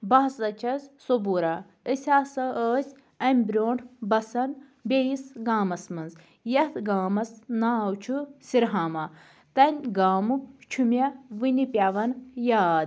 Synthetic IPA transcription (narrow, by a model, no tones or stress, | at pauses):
bɐɦɐsɐt͡ʃʰɐzsobuɾɐ | əsʲaːsɐəːsʲ | ɐmʲbɾʲoːɳʈbɐsɐn | bʲejisɡaːmɐsmɨnz | jɐt̪ʰɡaːmɐsnaːwt͡ʃʰusiɾɦaːmɐ | t̪ɐnʲɡaːmut͡ʃʰumʲɐʋɨnipʲaʋɐnjaːd̪